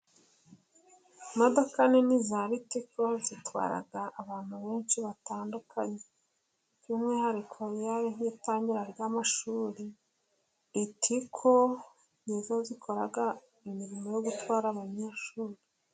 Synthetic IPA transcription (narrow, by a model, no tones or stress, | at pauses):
modo̞kanenizaɾitiko̞zitwa̰ːɾa̰ɡaʔːβaːn̥huβe̞ːnʃiβataːndukʰaɲe | kuːmŋiːhaɾikʰo̞jaɾihitaːɲɟiɾaɾjaːmaʃuːɾiː | tʰikʰo | ɲizozikʰo̞ɾaɡa | imiɾimo̞jo̞ɡutwaːɾaβaɲeːʃuːɾi